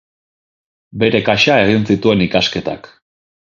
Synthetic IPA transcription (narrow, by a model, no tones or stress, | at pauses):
be̞ɾe̞kaʃae̞ɣinsit̪ue̞nikaske̞t̪a̰k